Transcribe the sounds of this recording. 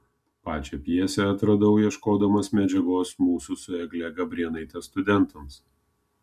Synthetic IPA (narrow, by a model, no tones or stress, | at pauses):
pɑːt͡ʃʲɛpʲjiɛsʲɛɐt̪ɾɐd̪ɐʊjiɛʃkoːd̪ɐmɐsmʲɛd͡ʒʲɛɡoːsmuːsʊsʊɛɡlʲɛɡɐbʲɾʲiɛnɐɪt̪ʲɛst̪ʊd̪ʲɛnt̪ɐms